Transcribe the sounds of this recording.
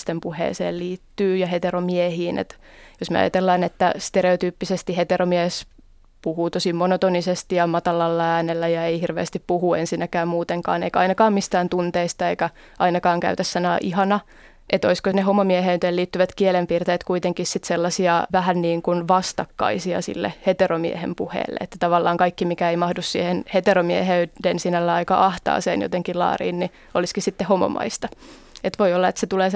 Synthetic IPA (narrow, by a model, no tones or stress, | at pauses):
st̪empuhḛːsḛːlliːt̪ːyːjɑhet̪eromiehiːnʔḛt̪ | josmḛɑ̰jɑ̰t̪elːɑːnet̪ːæst̪eɾeot̪yːpːisest̪ihet̪eɾomies | puhuːt̪osimonot̪onisest̪ijɑmɑt̪ɑlɑlːɑæːnelːæjɑeihirʋḛːst̪ippuhuensinːækæːmmuːt̪eŋkɑ̰ːnḛikæɑinɑkɑːmmist̪æːnt̪unt̪eist̪ɑeikæ | ʔɑinɑkɑːŋkæ̰yt̪æssːɑnɑ̰ːʔihɑnɑ | ʔet̪oiskonehomomieɦeyt̪eːliːt̪ːyʋæt̪kielempiːrt̪eːt̪kuit̪eŋkissit̪selːɑsiɑʋæhænniːŋkunʋɑst̪ɑkːɑ̰isiɑ̰sḭlːḛhet̪eromiehḛmpuhḛːlːḛḛt̪ːæt̪ɑʋɑlːɑːŋkɑikːimikæeimɑhdussiːhenhet̪eromieheydensinælːæɑikɑ̰ʔɑht̪ɑ̰ːsḛːnjo̰t̪eŋkilɑ̰ːrḭːnni | oliskisit̪ːehomo̰mɑ̰ist̪ɑ | et̪ʋoiolːɑet̪set̪uleː